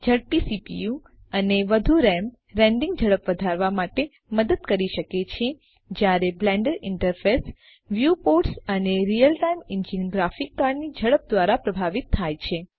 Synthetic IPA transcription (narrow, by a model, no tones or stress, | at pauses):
d͡ʒəɽpisipḭju | əneʋəd̪ʱuɾɛm | ɾɛ̃ɳɖĩŋɡ̚d͡ʒʱəɭəpʋəd̪ʱaɾʋamaʈe | məd̪əd̪̚kəɾiʃəket͡ʃʰe | d͡ʒjaɾeblɛ̃ɳɖəɾɪɳʈəɾfes | ʋjupoɾʈsəneɾijəlʈaimɪnd͡ʒinɡɾafikːaɾnid͡ʒʱəɭəp̚d̪ʋaɾapɾəbʱaʋit̪ʰːajt͡ʃʰe